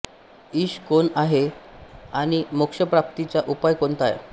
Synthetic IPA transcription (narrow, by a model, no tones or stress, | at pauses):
iːɕkonaɦe | aɽ̃imukʂəpɾap̚t̪it͡ɕaʔupajkont̪a̰j̰